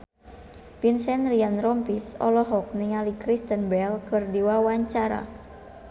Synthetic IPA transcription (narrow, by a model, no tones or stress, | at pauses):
pinsɛnrianrɔmpisɔ̰lɔɦɔk̚niŋalikɾist̪ənbɛlkɨrdiwawaɲt͡ʃaɾa̰